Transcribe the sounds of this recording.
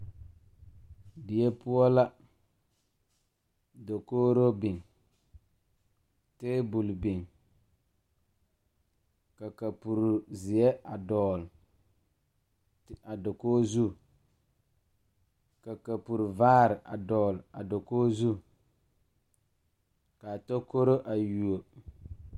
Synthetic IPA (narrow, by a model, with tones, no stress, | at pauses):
dɪ˨jɛ˦pʊ˦ɔ˦la˦ | do˨koː˦ɾo˦bi˨ŋ | teː˦bu˨lbi˨ŋ | ka˨ka˨pu˨ɾu˨zɪ˨ɛ˦ʔa˨dɔː˨l | a˨do˨koː˦zu˦ | ka˨ka˨pu˨ɾu˨vaː˦ɾɪ˨ʔa̰˨dɔː˨la˨do˨koː˦zu˦ | ka˨to˦ko˦ɾo˦ʔa˨ju˨o˨